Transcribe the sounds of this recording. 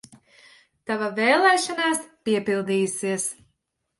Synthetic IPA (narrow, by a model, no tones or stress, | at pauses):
t̪avavɛːlˠɛːʃanaːspiɛpilˠd̪iːjusiɛs